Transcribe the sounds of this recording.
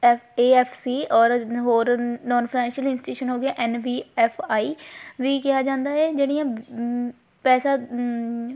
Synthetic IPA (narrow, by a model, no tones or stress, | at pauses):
eːɛːpʰsiːɔːɾɦoːɾnɔ̃ːnfʰɾɛ̃ːnʃiəlɪnsɪuːʃənɦoːɡɪaːʔɛːnʋiːɛːpʰaːiːʋiːkɪɦaːd͡ʒãːnd̪aːɛːd͡ʒeːɽijãː | pɛːsaː